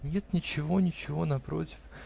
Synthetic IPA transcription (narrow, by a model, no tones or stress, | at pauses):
nʲet̪nʲɪt͡ɕɪvo̞nʲɪt͡ɕɪvo̞nɐpɾo̞̰tʲɪ̥f